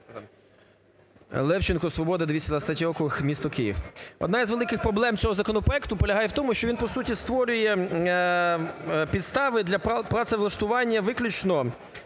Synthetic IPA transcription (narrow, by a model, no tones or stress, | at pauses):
lˠɛwt͡ʃɪnkɔsʋɔbɔd̪ɐd̪ʋʲisʲɐd̪ɐst̪ɐtʲɾɔkʊɪxmʲist̪ɔkɪjḭwɔ̰d̪nɑizʋelˠɪkɪxpɾɔblˠɛmt͡sʲɔɦɔzɐkɔnɔpɾɔɛkt̪ʊpɔlʲɐɦɑjɛwt̪ɔmʊʃt͡ʃɔʋʲinpɔsutʲist̪ʋɔɾʲʊjɛ | pʲid̪st̪ɑʋɪd̪lʲɐpɾɑt̪sɛʋlˠɐʃt̪ʊʋɑnʲːɐʋɪklʲʊt͡ʃnɔ